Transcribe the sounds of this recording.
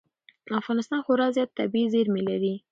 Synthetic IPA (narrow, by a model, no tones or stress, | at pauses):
afɣɑnɪst̪ɑnxoɾɑzjɑt̪ːabizeɾmelaɾi